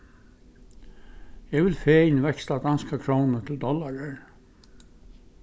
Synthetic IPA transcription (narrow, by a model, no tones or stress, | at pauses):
jɛʋɪlfeːɪnʋɛkst̪lad̪anskakʰɹownət̪ʰɪld̪ɔlaɹəɹ